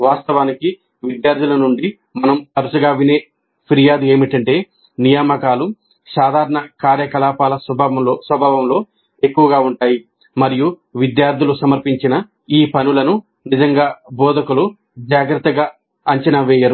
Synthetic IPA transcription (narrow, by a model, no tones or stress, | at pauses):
ʋaːst̪ɐʋaːniki | ʋid̪jaːɾd̪ʱilɐnuɳɖi | mɐnɐmpɐɾusɐɡaːʋine̞ː | pʰiɾijaːd̪ue̞ːmiʈɐɳʈe̞ː | nijaːmɐkaːlu | saːd̪ʱaːɾɐɳɐkaːɾjɐkɐlaːpaːlɐsɐbʱaːʋɐloːsʋɐbʱaːʋɐmlo̞ː | e̞kːuʋɐɡaːuɳʈaːji | mɐɾijuʋid̪jaːɾd̪ʱilusɐmɐɾpiɲt͡ʃinɐ | iːpɐnulɐnu | nid͡ʒɐŋɡaːbɔːd̪ɐkulu | d͡ʒaːɡɾɐt̪ːɐɡaː | ɐɲt͡ʃɐnɐʋɛːjɐɾu